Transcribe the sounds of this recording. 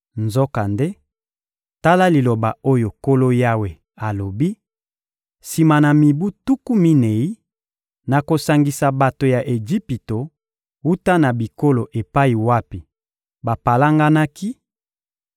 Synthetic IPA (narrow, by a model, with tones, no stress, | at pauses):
nzɔ˦ka˨nde˦ | ta˦la˦li˨lo˨ba˨o˦jo˨ko˦lo˦ja˦we˨ | a˨lo˨bi˦ | si˨ma˨na˨mi˨bu˦tu˦ku˦mi˦ne˨i˦ | na˨ko˨sa˨ŋɡi˨sa˨ba˨to˨ja˨ʔe˨d͡ʒi˦pi˨to˨ | wu˦ta˦na˨bi˨ko˦lo˨ʔe˨pa˦i˨wa˦pi˨ | ba˨pa˨la˦ŋɡa˦na˦ki˦